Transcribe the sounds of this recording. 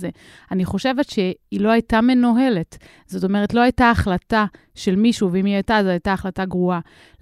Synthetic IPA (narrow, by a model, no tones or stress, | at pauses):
ze | aniχo̞ʃe̞ve̞tʃe̞ilo̞ajtame̞noɦe̞le̞t | z̥o̞to̞me̞ʁ̞etlo̞ajtaːχlata | ʃe̞lmiʃuveimiajtazajtaːχlataɡʁua